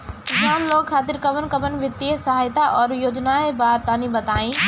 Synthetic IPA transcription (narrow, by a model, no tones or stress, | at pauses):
kɪsaːnloːɡkʰaːt̪ɪɾkɐbənkɐbənʋɪt̪ːiesɐɦaːjt̪aʔɔːɾjoːd͡ʒnaebaːb̚t̪aːnĩbɐt̪aːĩ